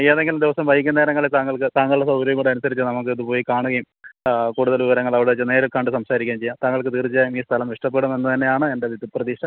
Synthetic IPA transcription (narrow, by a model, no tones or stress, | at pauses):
t͡ɕejaːðe̞ŋɡilmd̪iʋɐsɐmʋɐjikʲːunːeːɾɐŋːɐɭet̪aːŋːɐɭkɨt̪aːŋːɡːɐɭɨɽesɐwɡɾɐjuŋkuːɽiɐnusɐɾit͡ɕːɨnɐmuk̬ːɨɐðupo̞ːjikaːɳuɣɐjumkuːɽuðɐlʋiʋɐɾɐŋːɐɭɐʋiɽet͡ɕːɨne̞ːɾukɐɳɖɨsɐmsaːɾikʲːaːmt͡ɕe̞jːaːmt̪aːŋːɐɭkɨt̪iːrt͡ɕijaːjumiːst̪ʰɐlɐmʋiʂʈɐp̬ːeɽume̞nːɨt̪ɐnːejaːɳɨende̞ʋid̪iprɐðiːʂɐ